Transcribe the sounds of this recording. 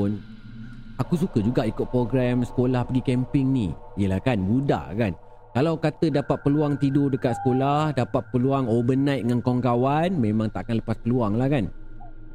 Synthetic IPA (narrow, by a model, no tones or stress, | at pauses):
n | akus̬ukəd͡ʒuɡaʔikʊt̪̚pɾoɡɾɛmsə̥kolahpəɡikɛmpɪŋnḭijəlahkanbuda̰ʔkan | kalawkat̪ədapat̪̚pəluaŋt̪idʊrdəkat̪sə̥kolahdapat̪̚pəluaŋobənãjt̪̚ŋankɔŋkawanmẽmãŋt̪aʔkanləpaspəluaŋlahkan